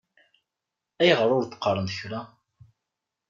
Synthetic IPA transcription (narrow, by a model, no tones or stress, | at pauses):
æjʁəɾˤʊɾd̪qːəɾˤːənd̪çɾæ